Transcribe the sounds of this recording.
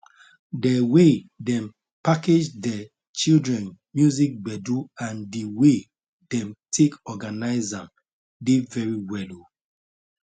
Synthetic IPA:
dɛwedɛ̃m | paked͡ʒdɛ | t͡ʃildɹɛ̃nmjuzik̚bɛduãndiwe | dɛ̃mtʰekɔɡanaɪzãm | devɛɹiwɛlo

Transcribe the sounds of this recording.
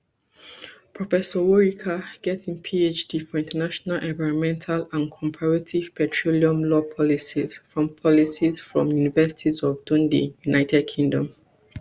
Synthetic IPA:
pʰɹɔfɛsɔwɔɹikʰaɡ̥ɛtĩnpʰiet͡ʃdifɔĩntʰənaʃɔnalʔɛ̃ɱvaɪɹɔ̃nmɛ̃ntʰalãnkʰɔ̃mpʰaɹatʰiv̥pɛtʰɹoliɔ̃mlɔpʰɔlisiz̥fɹɔ̃mpʰɔlisizfɹɔ̃mjunivɛsi̥tʰizɔvdũndḭjunaɪtʰɛd̚kʰĩŋdɔ̃m

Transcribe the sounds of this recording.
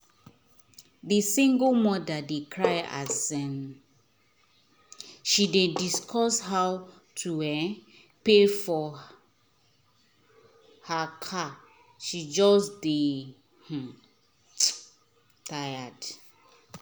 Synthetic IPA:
disĩŋɡolmɔdadekʰɹaja̰zɛ̃m | ʃidediskʰɔshaw | tʰuɛ | pefɔ | hakʰa | ʃid͡ʒɔsde | h̩ | tʰajad

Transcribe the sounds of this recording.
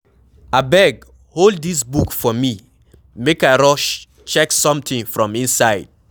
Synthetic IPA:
abɛɡ | holˠd̚ðisbukfɔmi | mekaɪɹɔʃ | t͡ʃɛksɔ̃mtĩŋfɹɔ̃mĩnsaɪd̥̚

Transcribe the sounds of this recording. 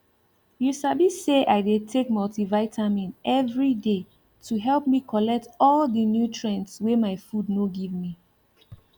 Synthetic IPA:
jusabiseʔaɪdetʰek̚mɔltivaɪtʰamĩnɛvɹide | tʰuɦɛlp̚mikʰɔlɛk̚tɔldənjutʰɹɛ̃ntswemaɪfudnoɡivmi

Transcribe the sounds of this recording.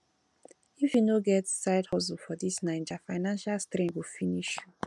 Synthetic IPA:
ifjunoɡɛtsaɪdhɔs̬ulfɔdisnãɪ̃nd͡ʒafaɪnãnʃalstɾĩŋɡwifiniʃ

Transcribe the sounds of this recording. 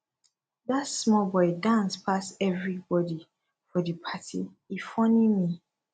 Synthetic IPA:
ðatsmɔlbɔɪdãnspʰasɛvɹibɔdi | fɔdəpʰatḭ | ifɔ̃nimi

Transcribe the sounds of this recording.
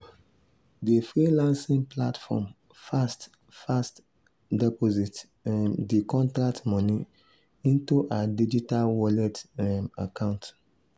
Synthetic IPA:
defɾilãnsĩŋplatfɔ̰m | fast | fast | dɛpozit | ɛmdikʰɔ̃ntɾak̚tmɔ̃ni | ĩntuʔadid͡ʒitalwɔlɛtɛma̰kãʊ̃nt

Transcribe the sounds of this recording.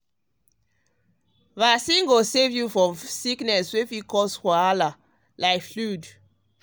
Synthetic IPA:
vasĩŋɡosevjufɹɔ̃msiknɛswefikɔshaala | laɪkflud

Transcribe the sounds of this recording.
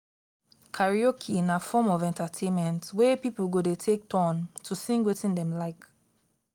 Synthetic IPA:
kʰaɹiɔkʰĩnafɔmɔvɛ̃ntatʰẽnmɛ̃ntwepipl̩ɡodetʰek̚tʰɔ̃ntʰusĩŋɡwetĩndɛ̃mlaɪk

